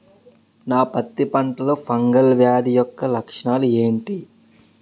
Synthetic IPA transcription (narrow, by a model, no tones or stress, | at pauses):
naːpɐt̪ːipɐɳʈɐloːpʰɐŋɡɐlʋjaːd̪ijɔkːɐlɐkʂɐɳaːlue̞ːɳʈi